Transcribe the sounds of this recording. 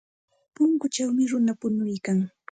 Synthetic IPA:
pʊŋkʊt͡ʃawmɪɾʊnapʊnʊjkaŋ

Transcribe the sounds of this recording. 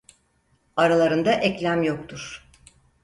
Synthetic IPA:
aɾalˠaɾɯnd̪aʔɛclʲæmjo̞k̚t̪ʰuɾ̥

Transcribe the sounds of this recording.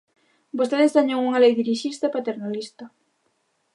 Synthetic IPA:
bost̪eðezðaɲoŋuŋalejðiɾiʃist̪apat̪eɾnalist̪a

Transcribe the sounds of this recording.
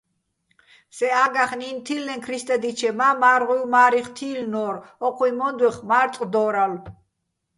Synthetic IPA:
sɛaɡaχnint̪ʰilnɛnkʰɾist̪ʼɛd̪it͡ʃʰɛmamaːɾʁiwmaːɾiχt̪ʰiːlnɔːɾɔqʰwuimɔnd̪wɛχmaɾt̪ʼd̪ɔːɾal

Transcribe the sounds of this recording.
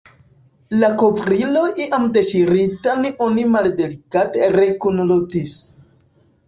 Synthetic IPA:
lako̞vɾilo̞ʔiʔamdeʃiɾitaneʔonimaldelikateɾekunlutis

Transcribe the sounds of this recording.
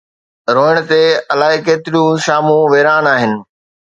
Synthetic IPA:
ɾoːɪɽ̃t̪eɐlaːɦekeːt̪ɪɾjũʃaːmũʋeːɾaːnaːɦɪnɪ̆

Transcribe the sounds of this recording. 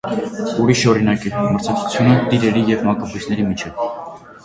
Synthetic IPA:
uɾiʃɔɾinɑkiməɾt͡sʰɑk̚t͡sʰu̥t͡sʰjunət̪iɾɛɾijɛvmɑkɑpusʰnɛɾimit͡ʃʰɛv

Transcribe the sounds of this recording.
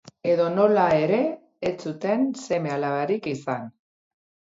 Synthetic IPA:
e̞ðo̞no̞lae̞ɾe̞ː | t͡sut̪e̞nse̞me̞alaβaɾikisan

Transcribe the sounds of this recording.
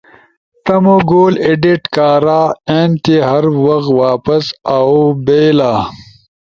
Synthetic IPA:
t̪ɐmoɡoːleɖiʈkaːɾaːeːnt̪iɦɐɾwɐxwaːpɐsawbeːlaː

